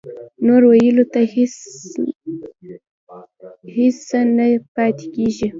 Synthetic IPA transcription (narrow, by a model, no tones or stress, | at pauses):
noɾwajəlot̪a | hɪsanapɑt̪ekʲeʒi